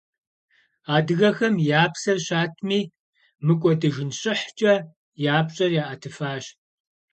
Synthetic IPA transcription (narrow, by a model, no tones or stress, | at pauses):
aːdɨɣɐxɐmjaːpsɐrɕaːtʰmiː | mɨkʷʼɔdɨʒɪnɕʼɪħt͡ʃʼɐ | jaːpɕʼɐrjaːʔɐtʰɨfaːɕ